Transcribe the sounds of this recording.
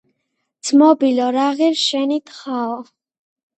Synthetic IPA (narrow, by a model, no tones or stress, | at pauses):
d̪sʰmɔbilɔɾaɣiɾʃɛnit̪ʰχaɔ